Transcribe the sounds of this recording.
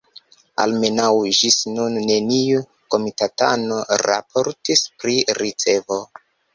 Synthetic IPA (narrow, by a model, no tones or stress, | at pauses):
a̰lme̞nawʒisnunːe̞niu | ko̞mitatano̞ɾa̰pʰo̞ɾtispɾiɾit͡se̞vo̞